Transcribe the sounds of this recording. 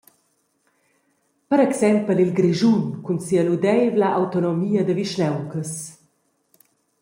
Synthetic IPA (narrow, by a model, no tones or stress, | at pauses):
pəɾɛksɛmpəlilɡɾiʒunkunsialud̪ɛjvlaʔawt̪onɔmiːɐd̪əviʃnɛwkəs